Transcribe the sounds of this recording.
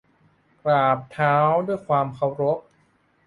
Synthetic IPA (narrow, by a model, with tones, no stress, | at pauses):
kɾaː˨˩p̚t̪ʰaː˦˥wdu˥˩əjkʰwaː˧mkʰa˧˥wɾo˦˥p̚